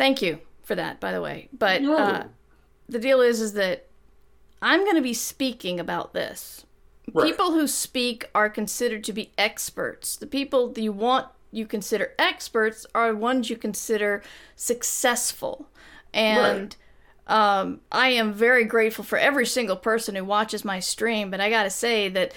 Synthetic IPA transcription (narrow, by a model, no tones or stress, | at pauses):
θæ̃ŋkjʉfə˞ðɨ̰t̚b̥aɪðə̰wḛɪb̥ʌt̚ʌ | ðɨdilˠɪzɨzðɨɾ | ʔãɪ̃mɡʌñɨbispikɪ̃ŋɨbaʊt̪̚ðɪ̰s | pʰipl̩ˠhʉspikə˞kɨ̃n̩sɪɾə˞d̚tʰɨbiʔɛkspə̰˞tsðɨpipl̩ˠðɨt͡ʃɨwɑ̃n | ɨkɨ̃nsɪɾə˞ʔɛkspə˞tsə˞ðwʌ̃nzjɨkʰɨ̃n̩sɪɾə˞sɨksɛsfl̩ˠ | ʔɨ̃n | ʔʌ̃mʔa̰ɪɨ̃ɱvɛɹiɡɹeɪtfl̩ˠfə˞ʔɛvɹisɪ̃ŋɡl̩ˠpʰɜ˞sɨ̃nhuwɑt͡ʃɨzmaɪstɹ̥ĩmbʌɾaɪɡɑɾɨseɪðɨt̚